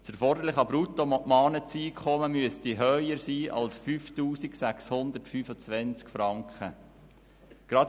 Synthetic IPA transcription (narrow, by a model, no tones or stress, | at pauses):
sɛɾfɔrd̪əɾlɪχɑbɾut̪omɔʔmɑːnət͡siːkʰχɔməmyəstiɦœjəɾsiːʔɑ̰lsfyftuːsiksækshʊnd̪əɾtfyfət͡sʋɛnt͡skfɾɑŋkχə | ɡ̥ɾɑd̪